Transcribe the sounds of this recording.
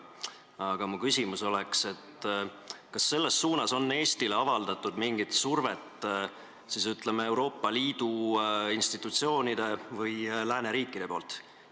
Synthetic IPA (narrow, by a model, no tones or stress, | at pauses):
ɑɡ̥ɑmukysʲimuso̞le̞kse̞t̪ | kɑsːe̞lːe̞sːuːnɑso̞nːe̞ːst̪ileɑvɑld̪̥ɑt̪ːˑud̪̥miŋɡ̥it̪surve̞t̪ː | sisyt̪ˑlemee̞wɾo̞ːpˑːɑliːd̪̥uinst̪it̪ːˑut̪sio̞ːnid̪̥e̞vɯjlæːne̞ɾiːkːˑid̪̥e̞po̞ːlt̪